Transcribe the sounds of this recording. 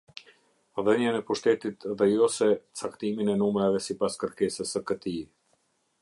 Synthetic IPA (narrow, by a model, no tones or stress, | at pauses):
ðəɲanɛpuʃt̪ɛt̪it̪ðɛjɔsɛt͡sakt̪iminɛnumɾavɛsipaskəɾkɛsəsəkət̪i